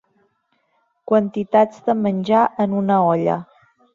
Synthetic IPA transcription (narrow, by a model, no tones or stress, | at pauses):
kwənt̪it̪ad͡zd̪əmənʲʒaʔənunəɔʎə̰